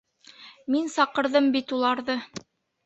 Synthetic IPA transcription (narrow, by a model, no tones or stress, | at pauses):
minsɑqɤ̆ɾðɤmbit̪ulˠɑɾðɤ